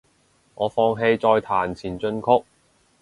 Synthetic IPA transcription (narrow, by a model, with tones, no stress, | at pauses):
ŋɔː˨˧fɔː˧ŋɦe˧jt͡sɔː˧jt̪ʰaː˨˩nt͡sʰiː˨˩nt͡ʃɵ˧nkʰʊ˥k̚